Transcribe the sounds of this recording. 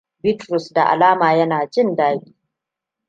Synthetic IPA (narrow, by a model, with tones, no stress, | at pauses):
bɪ˦tɾʊ˨sda̰˨ʔa̰˨laː˦maː˨jɐ˦naː˨t͡ʃɪ˦ndaː˦ɡʲiː˨˦